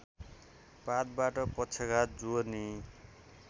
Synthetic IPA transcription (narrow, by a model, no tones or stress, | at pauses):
pat̪̚baʈʌpʌt͡sʰʌɡat̪̚d͡zoni